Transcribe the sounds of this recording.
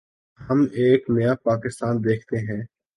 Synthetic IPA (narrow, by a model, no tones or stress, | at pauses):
hɐmeːknɐjapaːkɪst̪aːnd̪eːkʰt̪eɦɛ̃ː